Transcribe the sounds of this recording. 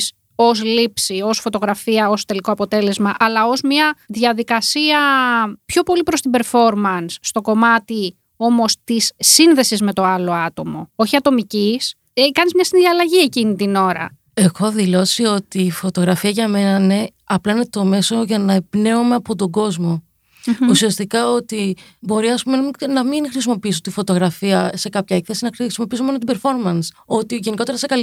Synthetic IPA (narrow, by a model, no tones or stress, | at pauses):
s | o̞s̬lipsio̞sfo̞t̪o̞ɣɾɐfiɐo̞st̪e̞likoɐpo̞t̪e̞le̞zmɐʔɐlɐo̞zmiɐðʝɐðikɐsiɐpço̞po̞lipɾo̞st̪ibe̞ɾfo̞ɾmɐnsːt̪o̞ko̞mɐt̪i | o̞mo̞st̪isːinðe̞sizme̞t̪o̞ɐlo̞ɐt̪o̞mo̞o̞çiɐt̪o̞micis | kɐnizmɲɐsinðiɐlɐʝie̞cinit̪ino̞ɾɐ̰ | e̞xo̞ðilo̞sio̞t̪iːfo̞t̪o̞ɣɾɐfiɐʝɐme̞nɐine̞ | ɐplɐine̞t̪o̞me̞so̞ʝɐnɐepne̞ome̞ɐpo̞t̪o̞ɡo̞zmo̞ | usiɐst̪ikɐo̞t̪ibo̞ɾiɐspume̞ninɐmiŋxɾisimo̞piisot̪ifo̞t̪o̞ɣɾɐfiɐse̞kɐpçɐekθesinɐisimopiisomo̞not̪ibe̞ɾfo̞ɾmɐnso̞t̪iʝe̞niko̞t̪e̞ɾɐsekɐ